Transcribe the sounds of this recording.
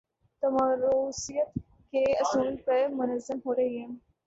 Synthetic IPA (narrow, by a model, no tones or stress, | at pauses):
t̪əmaɾosijət̪ | keəsuːlpəɾmʊnəzːəmɦoɾejem